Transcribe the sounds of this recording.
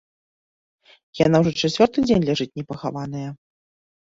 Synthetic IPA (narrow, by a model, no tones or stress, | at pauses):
jan̪awʐɔt͡ʂat͡sʲɔrt̪ɨd͡zʲenʲlʲaʐɨt͡sʲnʲɛpɐxavanɨjɐ